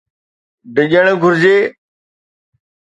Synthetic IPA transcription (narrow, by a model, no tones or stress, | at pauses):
ɖɪʄəɽ̃ɡʱʊɾd͡ʑeː